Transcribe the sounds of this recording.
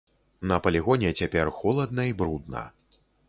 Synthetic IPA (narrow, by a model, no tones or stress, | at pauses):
nɐpɐlʲiɣɔnʲɛt͡sʲapʲɛrxɔlˠɐd̪nɐibɾud̪nɐ̰